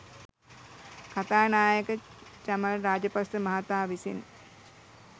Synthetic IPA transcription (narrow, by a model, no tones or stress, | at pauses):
kat̪aːnaːjəkət͡ʃaməɾaːd͡ʒəpasəmaɦat̪aːʋisḭn